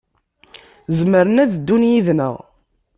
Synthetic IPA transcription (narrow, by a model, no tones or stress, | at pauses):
zəməɾənæðd̪ːunjiðnə̰ʁ